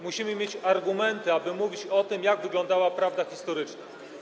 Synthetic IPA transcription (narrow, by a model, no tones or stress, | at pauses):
muɕimɘmʲjet͡ɕaɾɡumɛnt̪ɘabɘmuvʲit͡ɕɔt̪ɘmjaɡvɘɡlɔ̃nd̪awapɾavd̪axʲist̪ɔɾɘt͡ʂna